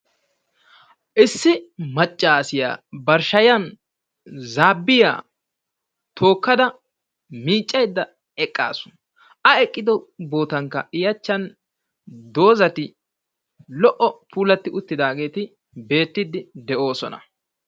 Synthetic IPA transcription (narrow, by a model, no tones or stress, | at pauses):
ʔɪsːɪmɐt͡ʃʼːaːsɪja̰ːbɐɾʃɐjɐn | zaːbːɪja̰ː | t̪ʰo̞ːkːɐd̪ɐ | miːt͡ʃʼːɐjd̪ːɐ | ɛkʼːa̰ːsʊ̥ | ɐɛkʼːɪd̪ɔbo̞ːt̪ɐŋkːɐ̰ɪjɐt͡ʃːɐn | d̪o̞ːzɐt̪ɪ | lɔʔɔpʰuːlɐt̪ːɪʊt̪ːɪd̪aːɡe̞ːt̪ɪ | be̞ːt̪ːɪd̪ɪd̪ɛʔo̞ːsɔ̰nɐ̰